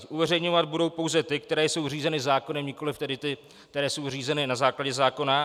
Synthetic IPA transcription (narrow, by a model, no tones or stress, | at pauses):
ʔuvɛrɛjɲo̞vad̪̚budo̞wpo̞wzɛt̪ɪk̚t̪ɛɾɛːjso̞wriːzɛnɪzaːko̞nɛmɲɪko̞lɪft̪ɛdɪt̪ɪ | kt̪ɛɾɛːso̞wr̝iːzɛnɪnazaːklaɟɛzaːko̞na